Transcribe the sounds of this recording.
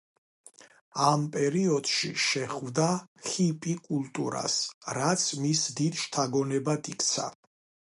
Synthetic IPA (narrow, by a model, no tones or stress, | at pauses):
ampʼɛɾiɔd̪̥ʃiʃɛχvd̪aχipʼikʼulˠt̪ʼṵɾa̰sɾat̪sʰmisd̪id̪ʃt̪ʰaɡɔnɛbad̪ʰikʰʼt̪sʰa̰